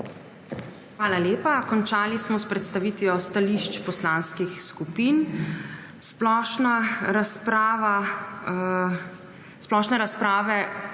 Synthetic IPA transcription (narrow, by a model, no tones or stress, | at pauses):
xʋaːlaljeːpakɔnt͡ʃaːlismɔspɾɛt̪st̪aʋiːt̪ʋijɔst̪aliʃt͡ʃpɔslaːnskixskupiːn | splɔʃnaɾaspɾaːʋa | splɔʃnɛɾaspɾaːʋɛ